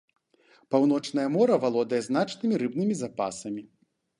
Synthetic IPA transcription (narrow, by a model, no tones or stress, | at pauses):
pawn̪ɔt͡ʂnɐjɐmɔɾɐvalˠɔd̪ɐjɛznat͡ʂnɨmʲiɾɨbnɨmʲizapa̰sɐmʲi